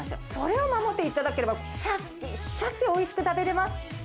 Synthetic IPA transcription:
ɕso̞ɾe̞o̞mamo̞t̪ːe̞it̪ad̪ake̞ɾe̞baɕa | iɕakt̪ːeo̞iɕi̥kɯ̟t̪abe̞ɾe̞masɨ̥

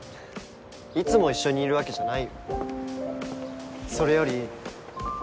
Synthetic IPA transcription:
it͡sɨmo̞iɕːo̞ɲ̟iːɾɯ̟ake̞ʑanai | so̞ɾe̞jo̞ɾʲi

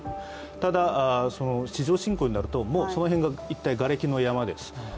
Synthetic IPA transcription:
t̪ad̪aso̞no̞ɕiʑo̞ːɕĩŋko̞ːɲ̟inaɾɯ̟t̪o̞mo̞ːso̞no̞ɦẽ̞ŋɡait̪ːaiɡaɾe̞kʲino̞jamad̪e̞sɨ̥

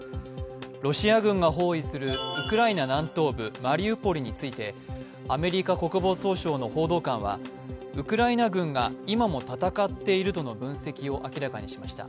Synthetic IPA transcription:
ɾo̞ɕiaɡɯ̟̃ŋɡaɦo̞ːisɨɾɯ̟ɯ̟kɯ̟ɾainanãnt̪o̞ːbɯ̟maɾʲiɯ̟po̞ɾʲiɲ̟it͡sɨit̪e̞ | ame̞ɾʲikako̞kɯ̟bo̞ːso̞ːɕo̞ːno̞ho̞ːd̪o̞ːkãɰ̃βa̰ | ɯ̟kɯ̟ɾainaɡɯ̟̃ŋɡaimamo̞t̪at̪akat̪ːe̞iɾɯ̟t̪o̞no̞bɯ̟̃ɰ̃se̞kʲio̞ʔakʲiɾakaɲ̟iɕimaɕi̥t̪a̰

